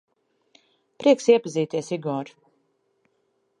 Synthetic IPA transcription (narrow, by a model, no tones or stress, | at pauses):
pɾiɛksiɛpaziːt̪iɛsiɡɔːɾ